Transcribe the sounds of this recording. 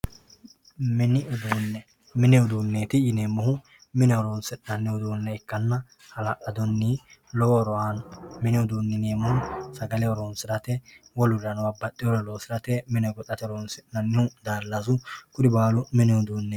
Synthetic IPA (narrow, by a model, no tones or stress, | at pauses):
mɪnɪʔʊd̪uːnːɛ | mɪnɛʊd̪uːnːeːt̪ɪjɪneːmːɔɦʊ | mɪnɛɔɾoːnsɪᶑnɐnːɪhʊd̪uːnːɛɪkːɐnːɐ | hɐlɐʔɐd̪ɔnːilɔwɔɾɔwanmɪnɪʊd̪uːnːɪneːmːɔhʊnsɐɡɐlɛɔɾoːnsɪɾɐt̪ɛwɔlʊɾɐnwabɐt̪ʼːɪɔɾɔloːsɪɾɐt̪ɛmɪnɛɡɔt̪ʼːɐt̪ɛɔɾoːnsɪᶑnɐnːɪhʊd̪aːlːɐzʊkʊd̪ɪbaːlʊmɪnɛhʊd̪uːnːe